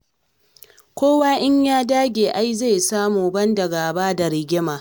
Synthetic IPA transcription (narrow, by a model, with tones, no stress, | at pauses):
kʷoː˦waː˦ʔɪ˦ɲjaː˦daː˦ɡʲeː˨ʔa˦jze˦˨jsaː˦muː˨bɐ˦ndɐ˨ɡaː˨baː˦da˨ɾɪ˨ɡʲɪ˦maː˨